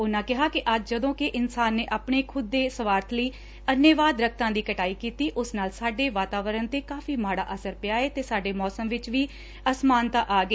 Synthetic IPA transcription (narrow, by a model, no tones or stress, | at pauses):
ʊnãːkɪɦaːkɪʔəd͡ʒd͡ʒəd̪õːkɪʔɪnsaːnːeːʔaːpɳeːkʰʊd̪ːeːsəʋaːɾt̪ʰləiː | ənjəʋaːd̪ɾək̚ʰt̪ãːd̪iːkəʈaːiːkiːt̪iːʔʊsnaːlsaːɖeːʋaːt̪aːʋəɾənt̪eːkaːfiːmaːɽa̰ːʔəsəɾpɪjaːeːt̪eːsaːɖeːmɔːsəmʋɪt͡ʃʋiː | əsmaːnt̪ãːʔaːɡe